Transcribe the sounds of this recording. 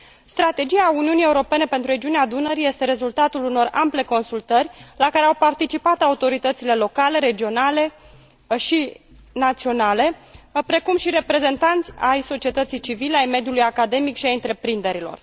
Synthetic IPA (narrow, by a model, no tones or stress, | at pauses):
st̪ɾat̪e̞d͡ʒiauniunijeuɾo̞pe̞ne̞pe̞nt̪ɾuɾe̞d͡ʒiunead̪unəɾije̞st̪e̞ɾe̞zult̪at̪uluno̞rample̞ko̞nsult̪ərʲlakaɾe̞awpart̪it͡ʃipat̪aut̪o̞ɾit̪ət̪sile̞lo̞kale̞ɾe̞d͡ʒio̞nale̞ | ʃi | nat̪sio̞nale̞pɾe̞kumʃiɾe̞pɾe̞ze̞nt̪ant̪sʲajso̞t͡ʃie̞t̪ət̪sijt͡ʃivileajme̞d̪julujakad̪e̞mikʃiajɨnt̪ɾe̞pɾind̪e̞ɾilo̞̰r